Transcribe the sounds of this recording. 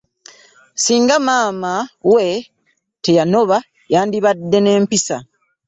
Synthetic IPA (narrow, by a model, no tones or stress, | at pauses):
siːŋɡamaːmawe̞ | te̞jano̞βa | jaːndiβadːe̞ne̞ːmpisa̰